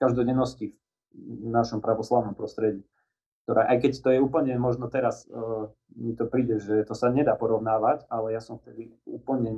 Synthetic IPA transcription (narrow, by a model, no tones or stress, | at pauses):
kaʒd̪ɔɟɛnːɔscif | naʃɔmpɾaʋɔslaʊnɔmpɾɔst̪ɾɛɟiː | k̚t̪ɔɾʔa̰ːʔajkɛct̪ɔjɛuːpl̩ɲɛmɔʒnɔt̪ɛɾas | mit̪ɔpɾiːɟɛʒɛt̪ɔsaɲɛd̪aːpɔɾɔʊnaːʋacalɛjasɔmft̪ɛd̪iṵːpl̩ɲɛ